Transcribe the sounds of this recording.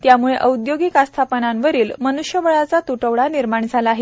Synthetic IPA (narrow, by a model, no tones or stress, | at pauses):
t̪jamuɭeʔəud̪joɡikast̪ʰapənanʋəɾiːlmənuʂjəʋəɭat͡sat̪uʈəʋɭaniɾmaɳd͡zʱalaːɦe